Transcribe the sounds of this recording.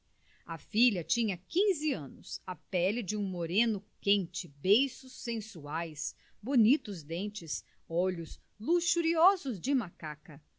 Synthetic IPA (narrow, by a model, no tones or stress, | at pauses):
ɐfiʎɐt͡ʃĩɲɐkĩzɪɐ̃nʊsɐpɛlɪd͡ʒɪũmoɾẽnʊkẽnt͡ʃɪbejsʊsːẽsuajs | bonit̪ʊzd̪ẽnt͡ʃɪs | ɔʎʊs | luʃuɾiɔzʊzd͡ʒɪmakakɐ